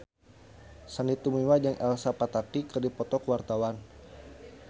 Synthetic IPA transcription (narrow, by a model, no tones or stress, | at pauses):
sanit̪umiwad͡ʒəŋɛlsapat̪atikərdipɔt̪ɔkwart̪awan